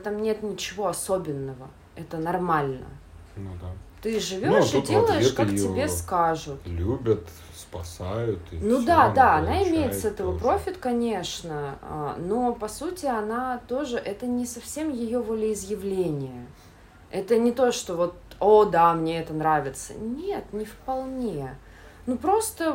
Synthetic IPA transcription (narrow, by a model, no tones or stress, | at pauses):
t̪amnʲe̞t̪nʲɪt͡ɕɪvo̞ɐsobʲɪnːəvə | ɛt̪ənɐrmalʲnə̰nat̪ɨʐɨvʲoʂɨdʲelˠəjɪʂkaktʲɪbʲe̞skaʐʊt̪lʲubʲət̪ | spɐsajʊt̪nud̪ad̪aɐnaɪmʲejɪt̪ssɛt̪əvəpɾo̞fʲɪt̪kɐnʲeʂnəa̰no̞pɐsutʲɪɐnat̪o̞ʐɨʔɛt̪ənʲɪsɐfsʲe̞mjɪjovolʲɪɪzjɪvlʲenʲɪjə | ɛt̪ənʲɪt̪o̞ʂt̪o̞vo̞t̪̚od̪amnʲeɛt̪ənɾavʲɪt̪sə̰nʲet̪nʲɪfpɐlˠnʲe | nupɾo̞st̪ə